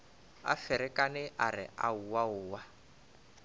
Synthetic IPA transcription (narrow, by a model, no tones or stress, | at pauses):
a̰fɪɾɪkʼanɪʔaɾɪ̰ʔauwaʊːwa